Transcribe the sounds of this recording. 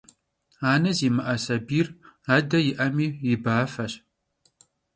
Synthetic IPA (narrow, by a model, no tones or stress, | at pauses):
aːnɐziːmɐʔɐsɐbiːraːdɐjɪʔɐmiːjɪbaːfɐɕ